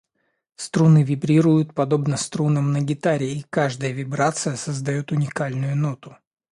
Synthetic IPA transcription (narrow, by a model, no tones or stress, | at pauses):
st̪ɾunɨvʲɪbɾʲiɾʊjʊt̪̚pɐd̪o̞bnəst̪ɾunəmnəɡʲɪt̪aɾʲɪːkaʐd̪əjəvʲɪbɾat̪sɨjəsəzd̪ɐjot̪ʊnʲɪkalʲnʊjʊnot̪ʊ̥